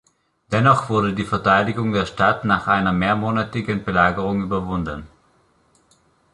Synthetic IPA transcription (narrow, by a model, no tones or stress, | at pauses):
d̥ɛnɔχv̥ʊɐdədiːfɛɐtʰaɪdɪɡʊŋdeːɐʃtatnaːχʔaɪnɐmeːɐmoːnatɪɡənbəlaːɡəʁʊŋyːbɐvʊndən